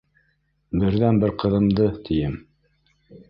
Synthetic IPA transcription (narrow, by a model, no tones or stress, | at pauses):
bɘ̆ɾðænbɘɾqɤ̆ðɤ̆md̪ɤt̪ʰijɘm